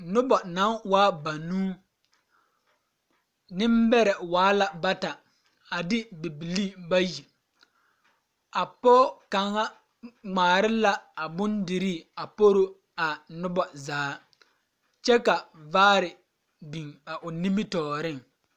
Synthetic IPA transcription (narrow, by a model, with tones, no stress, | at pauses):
nʊ˦bɔ˨nã˨˦wa˦ba˨nuː˦ | nɪ˦mbɛ˦ɾɛ˨waː˨˦la˨ba˦ta˨ | a˨dɪ˦bi˨bi˨liː˦ba˦ji˨ | a˨pɔː˦ka˨ŋa˦ | ŋ͡maː˨ɾɪ˦la˦a˨bʊ˦ndɪ˨ɾi˦˨a˨po˦ɾo˦ | a˨nʊ˦bɔ˨zaː˨˦ | t͡ʃɛ˦ka˨vaː˦ɾɪ˨ | bĩ˨ŋa˨ʔʊ˨nĩ˦mi˦tɔː˨ɾɪ˦ŋ